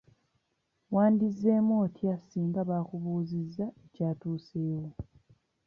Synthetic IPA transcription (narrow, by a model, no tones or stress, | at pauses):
waːndize̞ːmo̞ːtjasiːŋɡaβaːkuβuːzizːaecaːtuːseːwo